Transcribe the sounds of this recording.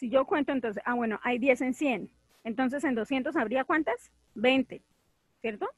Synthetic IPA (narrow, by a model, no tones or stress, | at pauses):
siʝo̞kwe̞nt̪ont̪o̞ns̬esaβwe̞noʔajðje̞se̞nsje̞n | ent̪o̞ns̬e̞se̞nd̪o̞sjent̪o̞saβɾiakwant̪as | be̞jnt̪e̞ | sje̞ɾt̪o